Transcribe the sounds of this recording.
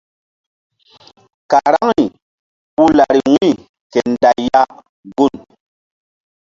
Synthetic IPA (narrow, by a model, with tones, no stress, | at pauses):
ka˨ɾa˦ŋni˨ | ɓu˦la˨ɾi˨wĩ˦˨ | ke˨nda˨jja˦ | ɡu˦˨n